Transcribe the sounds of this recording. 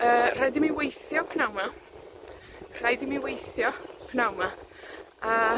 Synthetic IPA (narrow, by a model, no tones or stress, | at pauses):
əːr̥ajdɪmiwejθjɔpʰnawma | r̥ajdɪmiwejθjɔpʰnawma | a